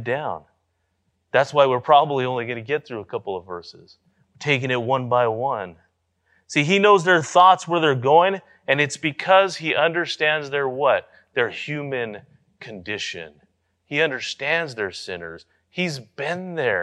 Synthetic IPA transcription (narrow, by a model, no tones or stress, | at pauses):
dãʊ̃n | ðætswaɪwɪɹpʰɹ̥ɑbəbliõʊ̃nliɡʌnɨɡɛt̪̚θɹʉəkʰʌpl̩ˠʌvɜ˞sɨ̰z̥ | tʰeɪkɪ̃ŋɨt̚wʌ̃nbaɪwʌ̃n | siinoʊzðə˞θɔtswə˞ðə˞ɡoʊɪ̃ŋ | ɨ̃nɨtsb̥ɨkʰʌz̥hiʔʌ̃ndə˞stæ̃ndzðə˞wʌt̪̚ | ðə˞hjʉmɨ̃n | kʰɨ̃ndɪʃɨ̰̃n | iʌ̃ndə˞stæ̃ndzðə˞sɪ̰̃nə̰˞z̥ | hizbɪ̃nðə˞